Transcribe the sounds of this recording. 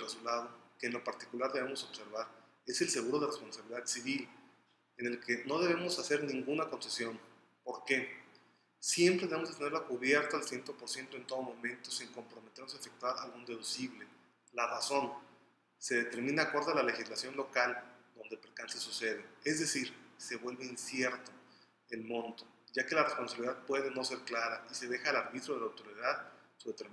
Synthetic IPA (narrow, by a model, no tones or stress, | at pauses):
result̪aðoke̞ːnlo̞paɾt̪ikulaɾðe̞βe̞mo̞so̞βse̞ɾβaɾ | e̞se̞lse̞ɣ̞uɾo̞ð̞erespo̞nsaβiliðaðsiβil | ene̞lke̞no̞ð̞e̞β̞e̞mo̞sase̞ɾnĩŋɡunakonsesjo̞n | po̞ɾke̞ | sje̞mpɾeðeeozðet̪eneɾlakuβje̞ɾt̪aalsjent̪o̞po̞ɾsjent̪o̞e̞nt̪o̞ð̞o̞mõ̞mẽ̞nt̪o̞siŋko̞mpɾo̞me̞t̪eɾnos̬aefe̞k̚t̪waɾa̰lɣund̪eðusiβle̞ | laraso̞n | se̞ðet̪e̞ɾmĩnaːkwo̞ɾðoalale̞xizlasjo̞nlo̞kald̪o̞nd̪elpɾekansesuse̞ð̞eezðe̞siɾse̞βwe̞lβe̞insje̞ɾt̪o̞ | elmõ̞nt̪o | ɟ͡ʝake̞larespo̞nsaβiliðaðpwe̞ðeno̞se̞ɾklaɾaise̞ð̞e̞xaːlaɾβit̪ɾo̞ðelawt̪oɾeiðaðsuðet̪eɾm